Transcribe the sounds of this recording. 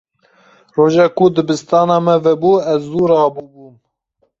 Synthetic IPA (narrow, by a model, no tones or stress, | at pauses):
roːʒɑːkud̪ɨbɨst̪ɑːnɑːmɛvɛbuːɛzːuːɾɑːbubuːm